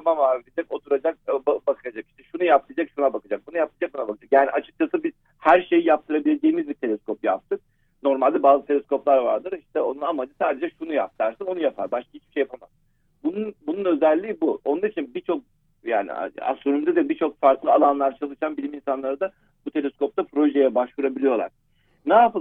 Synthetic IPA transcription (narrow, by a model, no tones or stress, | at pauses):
amamaːvilʲid͡ʒɛko̞t̪ʰuɾad͡ʒak̚babakʰɯjad͡ʒaki̥ʃt̪ʰɛʃunujap̚t̪ʰɯjad͡ʒakʃunabakad͡ʒak̚bunujap̪̚ɯjad͡ʒak̚bunabakʰad͡ʒakjaːniʔat͡ʃʰɯk̚t͡ʃʰasɯbiz̥ | hæɾʃe̞jijap̚t̪ʰɯɾabilʲe̞d͡ʒejimizbit̪ʰe̞lʲɛskopja̰p̚t̪ʰɯk̚ | no̞ɾmalʲd̪ɛbaːzɯt̪ʰe̞lʲskʰo̞plˠaɾva̰ɾd̪ɯɾiʃt̪ʰɛo̞nunamad͡ʒɯsaːd̪e̞d͡ʒɛʃunujap̚t̪ʰaɾsano̞nujapʰaɾbaʃk̪ahit͡ʃbi̥ʃejapʰamaz | bununbununø̞zælʲːiːbuonˠanɾit͡ʃʰinbit͡ʃʰo̞k̚ | ja̰ːnḭa̰st̪oɾymd̪ɛd̪ɛbit͡ʃʰo̞kfaɾklˠɯalˠanlˠaɾt͡ʃʰalˠɯʃanbilʲiminsanlˠaɾad̪a | b̥ut̪ʰe̞lʲeskʰo̞p̚t̪ʰapʰɾo̞ʒejɛbaʃvuɾabilʲijo̞lˠa̰ɾ̥ | naːpɯ